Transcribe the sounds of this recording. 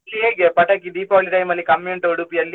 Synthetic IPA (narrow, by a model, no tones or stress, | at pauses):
lːiɦeːɡepɐʈɐkːid̪iːpɔːliʈɐjmɐlːikɐmuɳʈoːɽupijɐlːi